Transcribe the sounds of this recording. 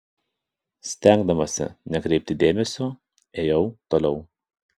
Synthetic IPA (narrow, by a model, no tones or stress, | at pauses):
sʲt̪ʲæˑŋɡd̪ɐmɐsʲɪ̰nʲɛkɾʲɛɪp̚ʲt̪ʲɪd̪ʲeːmʲɛsʲoː | eːjɛʊt̪oːlʲɛʊ